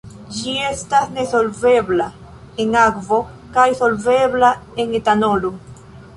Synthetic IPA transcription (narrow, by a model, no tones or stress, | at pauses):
d͡ʒiestasnesolvebla | eŋakvo | kajsolveβlaeŋet̪anolu